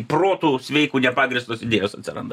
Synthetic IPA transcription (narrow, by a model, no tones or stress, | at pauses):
proːt̪uːsʲʋʲɛɪkuːnʲɛpɑːɡɾʲɪst̪oːsɪdʲeːjoːsɐt̪ʲsʲɪɾɐ̰nd̪ɐ